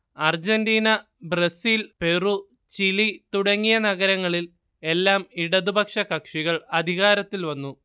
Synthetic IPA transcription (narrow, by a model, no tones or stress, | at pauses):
ɐrd͡ʑendiːnɐ | brɐsiːlpe̞ru | t͡ɕilit̪uɽɐŋːijɐnɐɣɐɾɐŋːɐɭil | e̞lːaːmiɽɐðubɐkʂɐkɐkʂiɣɐɭɐd̪ʱiɣaːɾɐt̪ːilʋɐnːu